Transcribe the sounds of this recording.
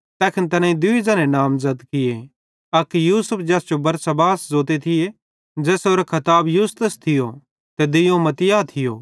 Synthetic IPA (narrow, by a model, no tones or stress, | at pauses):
t̪ɛːkʰɪnt̪ɐnãːĩd̪ʊid͡zɐnẽnaːmzɐd̪kɪje | ɐkjuːsəpʰd͡ʒɛːsd͡ʒobɐɾsɐbaːszoːt̪̬et̪ʰɪje | d͡ʒɛːsoːɾekʰɐt̪aːbjuːst̪əst̪ʰɪjo | t̪ed̪ɪjõmɐt̪ɪjaːt̪ʰɪjo̰ː